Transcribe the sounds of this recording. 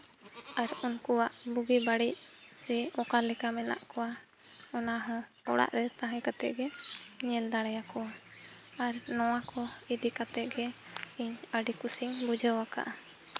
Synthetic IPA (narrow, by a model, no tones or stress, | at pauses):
aɾunkuwaʔbuɡibaɽic̚sɛɔkaɾlɛkamɛna̰ʔkɔwa | ɔnaɦɔ̃ | ɔ̰ɽa̰ʔɾɛt̪ãɦɛ̃kat̪ɛʔɡɛɲɛld̪aɽ̃ɛjakɔa | aɾnɔwakʰɔid̪ikat̪ɛʔ̚ɡɛ | iɲəɖikusiŋbud͡ʒəwaka̰ʔa